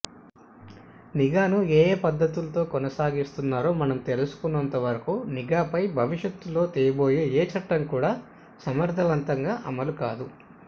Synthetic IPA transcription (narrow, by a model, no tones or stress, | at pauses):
niɡaːnueːpɐd̪ːɐt̪ulɐt̪o̞ːkɔnɐsaːɡist̪unːaːɾo̞ːmɐnɐmt̪elusu̥kunːɐnt̪ɐʋɐɾɐkuniɡaːpɐjbʱɐʋiʂjɐt̪ːulo̞ːt̪iːjɐbo̞ːjeːeːt͡ʃɐʈːɐŋkuːɽaː | sɐmɐɾt̪ʰɐʋɐnt̪ɐŋɡaːʔɐmɐlukaːd̪u